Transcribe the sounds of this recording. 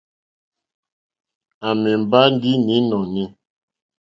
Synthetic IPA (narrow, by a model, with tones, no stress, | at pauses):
a˨mɛ˨m˨ba˦n˦di˦ni˨˦nɔ˨ni˦